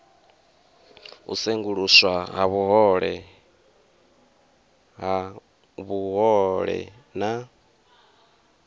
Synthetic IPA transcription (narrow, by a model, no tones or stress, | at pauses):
ṵseŋɡuɺuswaɦaβuɦɔɺɛ̰ | ɦa | βuɦɔɺɛ̰ | na